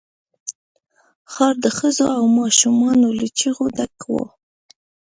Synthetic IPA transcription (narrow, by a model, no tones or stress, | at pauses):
xɑɾd̪əxəzoawmɑʃumɑnolit͡ʃiɣud̪akwo̰